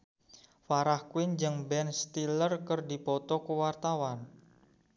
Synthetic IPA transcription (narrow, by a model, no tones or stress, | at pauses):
faɾahkwɪnd͡ʒɨŋbɛnst̪ilərkərdipɔt̪ɔkəwart̪awan